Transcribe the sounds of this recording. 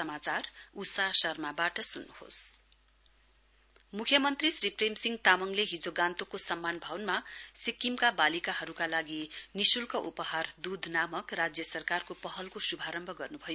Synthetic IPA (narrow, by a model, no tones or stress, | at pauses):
sʌmat͡sarusasʌrmabaʈʌsunːuho̰s | mukʰjʌmʌnt̪risripʰremsiŋɡt̪amʌŋleɦid͡zoɡãnt̪okosʌmːanbʱʌwnmasikːimkabalikaɦʌɾukalaɡinisulkʌʔupʌhard̪ud̪ʱnamʌkrad͡zjʌsʌrkarkopʌɦʌlkosubʱaɾʌmbʱʌɡʌrnubʱʌjo